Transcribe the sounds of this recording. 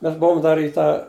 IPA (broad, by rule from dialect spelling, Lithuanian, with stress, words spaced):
ˈmʲɛs ˈbʊʋoːm ˈdɐr iː ˈtɑː